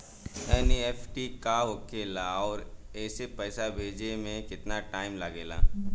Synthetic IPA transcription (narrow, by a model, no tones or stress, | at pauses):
ɛːnieːfʰʈikaɦokeːlaɔːɾɛːsepɛːsabʱeːd͡ʒemẽkɪt̪naʈaːɪmlaɡeːla̰ː